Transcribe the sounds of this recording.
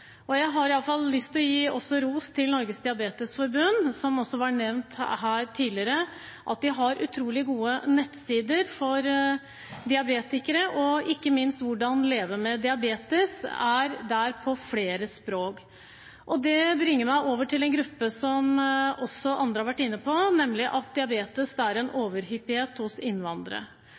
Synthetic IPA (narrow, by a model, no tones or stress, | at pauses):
ʔɔjæɪɦɑɾɪɑlːəfɑllʏst̪ʰɪlɔjiːʔɔsːɔɾuːst̪ʰɪlnɔɾɡəsd̪ɪɑbeːt̪əsfɔɾbʉnsɔmɔsːɔʋɑnɛʋnt̪hæːɾt̪ʰiːlɪəɾə | ʔɑ̰t̪̚d̪ɪɦɑɾʉ̰t̪ʰɾuːlɪɡuːənɛt̪siːd̪əɾfɔɾ | d̪ɪɑbeːt̪ɪkəɾəʔɔɪkːəmɪnst̪ʋʊɖɑnleːʋəmɛd̪ɪɑbeːt̪əsæɾd̪æɾpʰɔfleːɾəspɾoːk | ʔɔd̪ɛbɾɪŋːəɾmæɪʔoːʋəʈʰɪlɛnɡɾʉpːəsɔmɔsːɔʔɑnd̪ɾəɑɾʋæʈːɪnːəpʰɔnɛmlɪʔɑt̪̚d̪ɪɑbeːt̪əsd̪æɾɛnoːʋəɾhʏpːɪheːt̪hʊsɪnʋɑnd̪əɾə̰